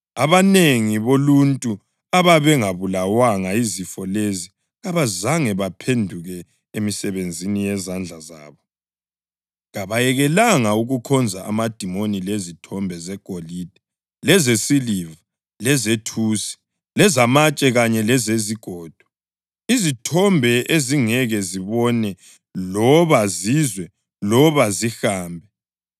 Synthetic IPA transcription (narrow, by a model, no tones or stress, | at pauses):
aβaneŋiβoluntʼu | aβaβɛŋaβulawaŋaizifɔlezi | ɣaβazaŋɛβapʰendʱuɣɛ | emisɛβend͡zʱinijɛzand͡ɮʱaza̰ːβɔ | ɣaβajɛɣɛlaŋauɣukʰɔnd͡zʱaʔa̰mad̥ʱimonilezitʰɔmbʱɛzɛɡ̥ʱolid̥ʱɛ | lɛzesiliva | lɛzetʰuːsi̥ | lɛzamat͡ʃʼɛɣaɲɛlɛzeziɡ̥ʱɔːd̥ʱɔ̥ | izitʰɔmbʱɛʔeziŋɛɣɛziβɔnɛ | lɔβazizwɛ | lɔβazixaːmbʱɛ